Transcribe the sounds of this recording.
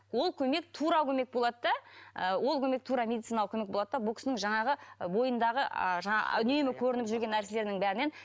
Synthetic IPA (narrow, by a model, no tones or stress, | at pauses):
wo̞lˠkʲʰɵme̞k̚t̪ʰuɾɑkʰʲɵmek̚bo̞lˠɑd̪əd̪ɑəwo̞lˠkʲʰɵme̞k̚t̪ʰuɾɑmʲe̞d̪it̪sijnɑlˠkʰʲɵme̞k̚bo̞lˠɑd̪əd̪ɑbʊlˠkʲɪ̥snɪŋʒɑɴɑʁəbo̞jənd̪ɑʁə̰ʒɑɴɑ̰ʏne̞mɪkʲʰɵɾɪnɪpʒʏɾɡʲe̞nːæɾsele̞ɾnɪŋbæɾɪne̞n